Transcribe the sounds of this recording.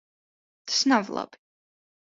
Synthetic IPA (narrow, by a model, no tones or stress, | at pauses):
t̪ʰsnavlˠa̰bi